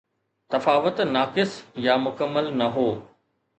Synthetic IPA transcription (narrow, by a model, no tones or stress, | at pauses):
t̪ɐfaːʋət̪naːkɪsjamʊkəmːəlnɐɦoː